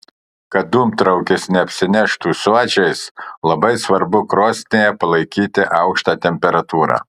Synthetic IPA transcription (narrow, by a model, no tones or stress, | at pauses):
kɐt̪̚d̪uːmt̪ɾɐʊkʲɪsnʲɛɐpʲsʲɪnʲɛʃt̪uːsuɔt͡ʃʲɛɪslˠɐbɐɪsʋɐɾbʊkɾoːsʲt̪nʲeːjɛpɐlˠɐɪkʲiːt̪ʲɪʔɑˑʊkʃt̪ɑːt̪ʲɛmʲpʲɛɾɐt̪uːɾɑ̰ː